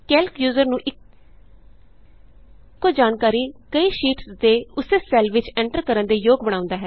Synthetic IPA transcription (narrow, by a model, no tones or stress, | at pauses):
kɛːlkjuːzəɾnũːʔɪk | od͡ʒaːnkaːɾiːkəiːʃiːʈsd̪eːʊseːsɛːlʋɪt͡ʃɛ̃ːɳʈəɾkəɾənd̪eːjoːɡbəɽ̃aːʊ̃nd̪aːɦɛː